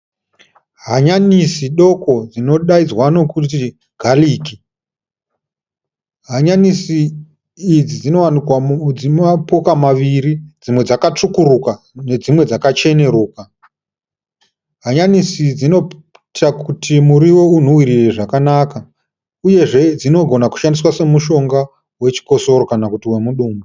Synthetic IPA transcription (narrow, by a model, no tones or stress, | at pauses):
ɦaɲanisiɗo̞ko̞d͡zino̞ɗaid͡zwano̞kuti | ɡʱaliːki | ɦaɲanisiː | d͡zid͡zino̞wanikwad͡zimapokamaʋiɾid͡zimwe̞d͡zakat͡ʂukuɾuka | ne̞d͡zimwe̞d͡zakat͡ʃe̞ne̞ɾuːka | ɦaɲanisid͡zino̞ | takutʰimuɾiwo̞un̤owiɾire̞ʐakanaka | uje̞ʐe̞d͡zino̞ɡʱo̞naku̥ʃandiswase̞muʃo̞ŋɡa | we̞t͡ʃi̥ko̞so̞ɾo̞kanakutiwe̞muɗuːmu